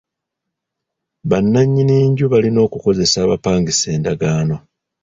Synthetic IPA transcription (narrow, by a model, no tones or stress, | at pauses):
βanːaɲːiniːɲɟuβalino̞ːkuko̞ze̞saːβa̰paːŋɡise̞ːndaɡaːno̞